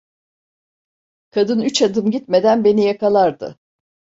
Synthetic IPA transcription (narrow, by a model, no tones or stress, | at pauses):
kʰad̪ɯnyt͡ʃad̪ɯmɟit̪me̞d̪ænbe̞nijakalˠaɾd̪ɯ̰